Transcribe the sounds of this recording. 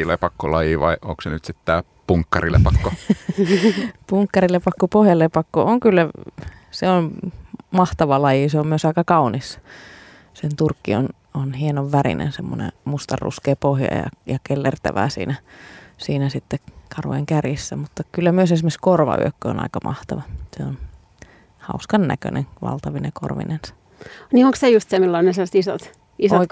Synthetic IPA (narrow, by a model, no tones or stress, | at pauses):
lepɑkːolɑjiːʋɑiʔoksenyt̪sit̪t̪æː | puŋkːɑrilʔḛpɑkːo | puŋkːɑrilepɑkːopohjɑlepɑkːoʔoŋkylːæ | seonmɑht̪ɑʋɑlɑjiseommyøsɑikɑkɑunis | sent̪urkːion | onhienoʋʋærḭnḛnsemːonḛmust̪ɑrːṵskeːpohjɑ̰jɑ̰jɑkelːert̪æʋæ̰ːsḭːnæsiːnæsit̪ːekɑrʋoḛŋkærjisːæmut̪ːɑkylːæmyøsesimːeskorʋɑ̰y̰økːøo̰nɑ̰ikɑmʔɑ̰ht̪ɑʋɑseon | hɑuskɑnːæ̰kø̰nʔḛŋʋɑ̰lt̪ɑʋineko̰rʋḭnensɑ̥ | nioŋksejust̪semilːæonneslːst̪isot̪ | isooi